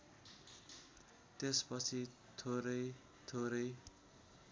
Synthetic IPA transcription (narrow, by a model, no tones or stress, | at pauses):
t̪espʌt͡sʰi | t̪ʰoɾʌj | t̪ʰoɾʌj